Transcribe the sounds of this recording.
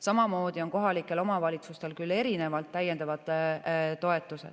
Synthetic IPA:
sɑmɑmo̞ːd̪̥io̞nko̞ɦɑlikːˑe̞lo̞mɑvɑlʲit̪sust̪e̞lkylːe̞ɾine̞vɑlt̪ːæjːend̪ɑvɑd̪t̪o̞e̞t̪ːˑuse̞̰d̪

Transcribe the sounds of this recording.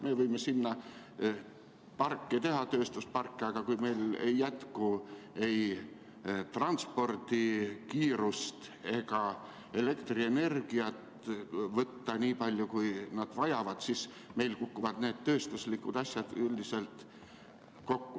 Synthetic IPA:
me̞ːvɤjme̞sinːɑ | pɑrkːˑit̪e̞ɦɑt̪ø̞ːst̪uspɑrkːeɑɡ̥ɑkujme̞jle̞jːæt̪kue̞j | t̪rɑnt̪spo̞rd̪̥ikiːɾust̪e̞ɡ̥ɑ | e̞le̞kt̪rie̞ne̞rɡ̥iɑt̪ | vɤt̪ːɑniːpɑlʲjukujnɑd̪̥vɑjɑvɑd̪̥sis | me̞jlkukːuvɑd̪̥ne̞ːd̪̥t̪ø̞ːst̪uslikːud̪ɑsʲjɑd̪̥yld̪ise̞lt̪ | ko̞kːu

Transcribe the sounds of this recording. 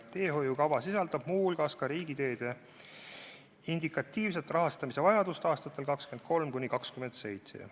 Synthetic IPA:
t̪e̞ːɦo̞jukɑvɑsisɑld̪ɑb̥muːhulɡ̥ɑskɑɾiːɡ̥it̪e̞ːd̪̥e̞ | ind̪ikˑɑt̪ːiːvs̬e̞t̪ːˑrɑɦɑst̪ɑmise̞vɑjɑd̪ust̪ɑːst̪ɑt̪ːˑe̞lkɑkskymend̪̚ko̞lmkunʲikɑkskymend̪̥se̞jt̪se̞̰

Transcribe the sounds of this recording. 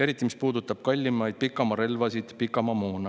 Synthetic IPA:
e̞ɾit̪ˑːimispuːd̪ut̪ːˑɑb̥̚kɑlʲːimɑjd̪̚pikːˑɑmɑɾe̞lvɑsid̪̥pikːˑɑmɑmoːnɑ

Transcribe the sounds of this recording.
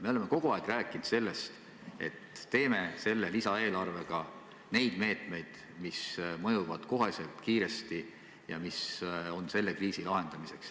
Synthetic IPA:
me̞o̞le̞me̞ko̞ɡ̥uɑeɡ̥ræːkˑind̪̥se̞lːe̞st̪ | e̞̰t̪ːe̞ːme̞se̞lːe̞lisɑe̞ːlɑrve̞ɡ̥ɑ | ne̞jd̪̥me̞ːt̪me̞jd̪̥ | mismɤ̞juvɑd̪̥ko̞ɦe̞se̞lt̪kiːɾe̞st̪i | jɑ̰miso̞nse̞lːe̞kriːsilɑɦe̞nd̪̥ɑmise̞ks

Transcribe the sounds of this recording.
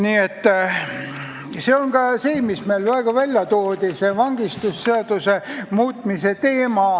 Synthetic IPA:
niːet̪ː | se̞oŋkɑseːmismeːlvæeɡ̥ɑvælʲjɑt̪oːd̪̥isevɑŋɡ̥ist̪usːeɑt̪usemuːt̪mise̞t̪e̞ːmɑ

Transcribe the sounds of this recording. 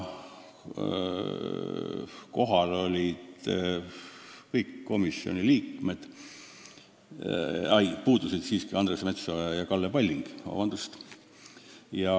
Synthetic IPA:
ko̞ɦɑlo̞lʲid̪ | kɤjkːo̞misːo̞̰nʲiliːkme̞d̪̥ | ɑjpuːd̪̥usid̪̥siːskiɑnd̪resme̞t̪sojɑkɑlːepɑlʲːiŋɡ̥ɑ̰vɑnd̪̥ust̪ | jɑ

